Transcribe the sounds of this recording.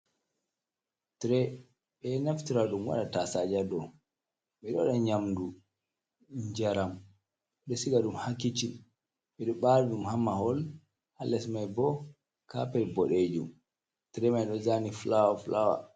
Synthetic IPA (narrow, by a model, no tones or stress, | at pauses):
tɾɛ | ɓɛnaftiɾaɗumwa̰ɗatasad͡ʒadɔ | ɓɛɗɔɗɔɲamdu | ɲd͡ʒaɾam | ɗɔsiɡaɗumhakːit͡ʃi | ɓɛɗɔɓaɾbumhamːahɔl | halːɛsmajbɔ | kapɛlbɔɗed͡ʒṵm | tɾɛmajɗɔzaniflawaflawa̰